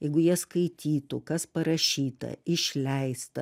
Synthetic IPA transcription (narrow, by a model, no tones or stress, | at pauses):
jɛɪɡʊjiɛskɐɪt̪ʲiːt̪ʊkɐspɐɾɐʃʲiːt̪ɐ̰ɪʃʲlʲɛɪst̪ɐ